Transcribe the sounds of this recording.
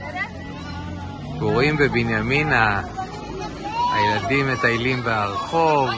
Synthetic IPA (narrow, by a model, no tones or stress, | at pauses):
ɡoʁimbebinjamina | ha̰jeladimːe̞t̪ajlimbeaʁχo̞v